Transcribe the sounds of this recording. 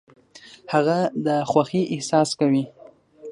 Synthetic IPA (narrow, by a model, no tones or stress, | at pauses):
haɣad̪əxwaxiʔɪhsɑskawi